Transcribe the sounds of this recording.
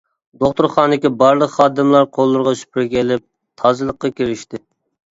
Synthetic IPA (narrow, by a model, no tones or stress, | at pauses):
d̪oχt̪uɾχɑːnd̪ɪkʲibɑɾlˠəqχɑːd̪ɨmlˠɑɾqʰolˠːʊɾʁɑʃy̥pɾɡʲɛlɪp̚ | t̪ʰɑːzɨlˠəqːɑkʲiɾɪʃt̪ɪ